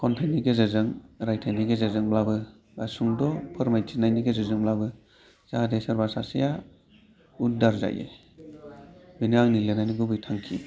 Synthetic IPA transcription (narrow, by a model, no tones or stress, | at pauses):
kɔntʰajniɡezɯzɯŋɾajtʰajniɡezazɯŋblabɯ | basuŋdɔpʰɯɾmajtʰinajniɡezɯzɯŋblabɯ | z̥ahadesaɾbaɾsasija | udaɾza̰jḛ | biniaŋnilenajniɡubɯjtʰaŋkʰi